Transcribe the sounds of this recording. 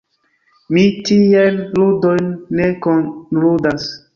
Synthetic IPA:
mitielludojnːekonludas

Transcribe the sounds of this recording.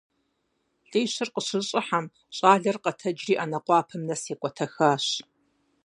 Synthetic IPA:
ɬʼeːɕɪrqəɕɪɕʼɪħam | ɕʼaːɮɐrqɐtʰɐd͡ʒriːʔaːnɐqʷɑːpʰɐmnɐseːkʷʼɔtʰɐxaːɕ

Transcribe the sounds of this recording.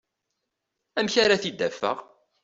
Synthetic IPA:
æmçaɾaθid̪ːæfːə̰ʁ

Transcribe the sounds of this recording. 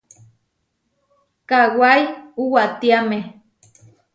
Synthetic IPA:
kawajuwaʔt̪iame

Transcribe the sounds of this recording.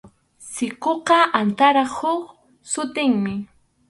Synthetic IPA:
sɪqoqɑʔant̪aɾɑχhʊχ | sʊt̪ɪŋmɪ

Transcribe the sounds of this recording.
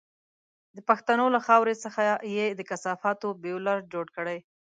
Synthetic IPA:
d̪əpaxt̪anolaxɑwɾesəxajed̪əkasɑfɑt̪obelaɾd͡ʒoɽkəɽaj

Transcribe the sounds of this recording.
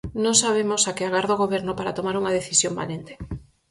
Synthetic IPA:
nõŋsaβ̞emosakɪaɣaɾðoɣoβeɾnopaɾat̪omaɾuŋaðeθisjomba̰lent̪e̥

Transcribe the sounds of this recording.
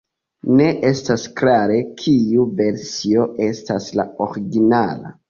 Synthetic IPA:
ne̞ʔe̞stasklaɾe̞kʰiuve̞ɾsio̞e̞stasla̰oɾiɡinala̰

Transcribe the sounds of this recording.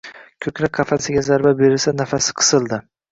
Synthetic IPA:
kʲʰɵkʲlakqʰɑfasɪɡʲazaɾbabeɾɪlsanafasɪ̥qʰɨ̥sɨlˠd̪ɪ

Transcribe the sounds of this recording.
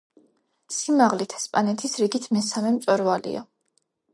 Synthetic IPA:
simaʁlit̪ʰɛ̥spʼanɛt̪ʰisɾiɡit̪ʰmɛsamɛmt̪sʼɛɾvalḭa̰

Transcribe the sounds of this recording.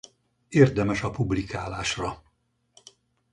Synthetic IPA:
eːrd̪ɛmɛʃɒpublikaːlaːʃrɒ

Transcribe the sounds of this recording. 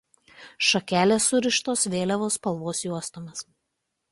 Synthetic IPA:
ʃɐkʲæːlʲeːsʊɾʲɪʃt̪oːsʋʲeːlʲɛʋoːspɐlˠʋoːsjuɔst̪oːmʲɪs

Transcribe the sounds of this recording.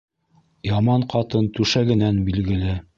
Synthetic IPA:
jɑmɑɴqɑt̪ɤnt̪ʉʃæɡɘ̆nænbilɡɘ̆lɘ

